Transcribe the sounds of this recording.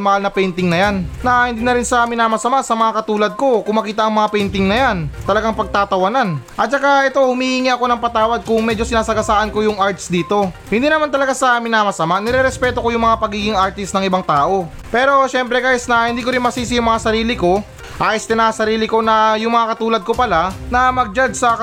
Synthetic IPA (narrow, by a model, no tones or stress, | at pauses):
mɐhalnɐpɛjnt̪ɪŋnɐjanːɐhɪnd̪iːnɐɾɪnsɐmɪnaːmɐsɐmasɐmɐŋakɐt̪uːlɐd̪̚ko̞kʊŋmɐkiːt̪ɐʔɐŋmɐŋapɛjnt̪ɪŋnɐjant̪ɐlɐɡaŋpɐɡ̚t̪aːt̪ɐwɐnanʔɐt̪̚t͡ʃɐkaʔɛt̪o̞hʊmiʔiːŋiʔɐko̞nɐŋpɐt̪aːwɐd̪̚kʊŋmɛd͡ʒo̞sɪnaːsɐɡɐsaːʔɐnko̞jʊŋʔaɹt̪sd̪iːt̪o̞hɪnd̪iːnɐmant̪ɐlɐɡasɐmɪnaːmɐsɐmanɪɾɛɾɛspɛt̪o̞ko̞jʊŋmɐŋapɐɡiːɡɪŋaɾt̪ɪst̪nɐŋʔɪbaŋt̪aːʔo̞ | pɛːɾo̞ʃɛmpɾɛkaːjɪsnɐhɪnd̪iːk̬oɾɪnmɐsiːsɪjʊŋmɐŋasɐɾiːlɪko̞ | ʔaːʔɪst̪ɛnasɐɾiːlɪko̞nɐjʊŋmɐŋakɐt̪uːlɐd̪̚ko̞pɐlanɐmɐɡ̚d͡ʒad̪̚sɐ